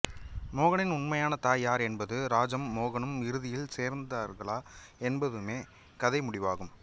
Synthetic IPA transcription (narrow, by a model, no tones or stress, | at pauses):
moːɣɐɳɪnʊɳmɐjaːnɐt̪aːjaːɾɛnbɐðɯɾaːd͡ʒɐmːoːɣɐɳɯmɪɾɯðɪjɪlseːɾnd̪aːɾɣɐɭaː | ɛnbɐðɯmeː | kɐðɐɪmʊɽɪʋaːɣɯm